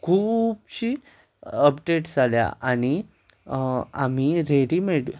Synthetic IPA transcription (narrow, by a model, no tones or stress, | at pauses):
kʰuːbɕiː | əp̚ɖeʈd͡zalja̰ʔañi | am̤iɾeɽimeɽ